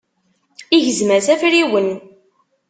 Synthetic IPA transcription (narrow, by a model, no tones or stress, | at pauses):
iʝəzməɾθæfɾiwən